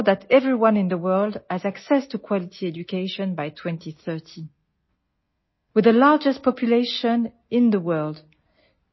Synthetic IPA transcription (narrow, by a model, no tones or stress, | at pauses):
ðætʰɛvɹiwʌ̃nɪ̃nðəwɜ˞lˠdɨzæksɛstʰukʰw̥ɑlitʰiɛd͡ʒukeɪʃɔ̃nbajtʰw̥ɛ̃ntʰiθɜ˞tʰi | wɨðəlaɹd͡ʒɨstpʰɔpʰjuleɪʃə̃n | ɪ̃nðəwɜ˞lˠd